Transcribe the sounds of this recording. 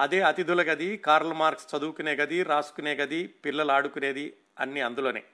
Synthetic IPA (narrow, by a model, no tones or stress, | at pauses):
ɐd̪eːɐt̪id̪ʱulɐɡɐd̪ikaːɾlɐmaːɾkst͡ʃɐd̪uːkuneːɡɐd̪iɾaːskuneːɡɐd̪ipilːɐlaːɽukune̞ːd̪i | ɐ̰nːiɐnd̪ulo̞ːnḛː